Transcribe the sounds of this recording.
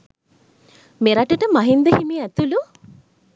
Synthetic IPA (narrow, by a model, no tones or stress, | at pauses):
meɾaʈəʈəmaɦind̪əhimiæt̪ulu